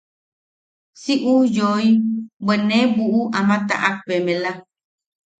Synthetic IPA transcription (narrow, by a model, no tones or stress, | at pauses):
siʔujoibenebuʔuʔamãt̪a̰ʔak̚pemẽla